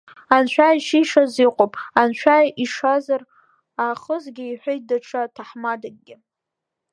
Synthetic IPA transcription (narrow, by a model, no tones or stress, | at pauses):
ant͡ʃʷʰᶣaiʃiʂaziqʷʼopʼant͡ʃʷʰᶣajiʂazar | aχəzɡʲɪiħʷejt̚daʈ͡ʂʰatʰaħmadaɡ̚ɡʲɪ